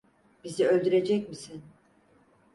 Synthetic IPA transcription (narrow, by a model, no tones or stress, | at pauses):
b̥iziø̞lʲd̪yɾe̞d͡ʒɛcmisin